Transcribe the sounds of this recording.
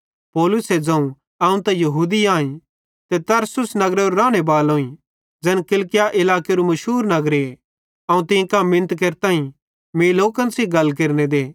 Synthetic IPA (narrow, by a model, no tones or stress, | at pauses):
pɔːlʊsed͡ʒɐ̃ũ | ɐũt̪ɐ̃jɐɦuːd̪iaːĩ | t̪et̪ɐɾsʊsnɐɡɾeoɾɾaːɽ̃ebaːlɦoːĩ | d͡ʒɛnkɪlkɪjaʔɪlaːkeɾumɐʃɦuːɾnɐɡɾee | ɐũt̪ɪ̃kamɪ̃nt̪keɾt̪ãːĩ | meːloːkɐ̃nsiɡɐlk̬eɾned̪eː